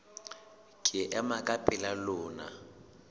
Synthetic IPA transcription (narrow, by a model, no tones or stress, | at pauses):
kʼɪʔɛmakʼapʼɪlalʊːna̰